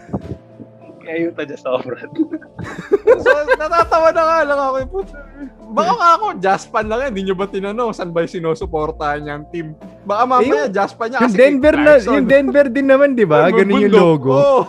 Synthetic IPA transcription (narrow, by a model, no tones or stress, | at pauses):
kɪʔɐjuːt̪ɐd͡ʒɐsɐobɾɐ | sonɐt̪aːt̪ɐwad̪ɐŋalɐŋɐkojpobɐkaŋaɐko̞d͡ʒaspɐnlɐŋjaɪnd̪iɲobɐt̪ɪnɐnoŋsɐnbɐjsɪnoːsʊpo̞ːɾt̪ahɐnɲɐɐŋt̪imbɐkamaːmɐjad͡ʒaspɐɲːakjɐŋd̪ɛnbɛɾnɐjʊŋd̪ɛnbɛɾd̪ɪnːɐmand̪ɪbaɡɐnonjʊŋdloːɡo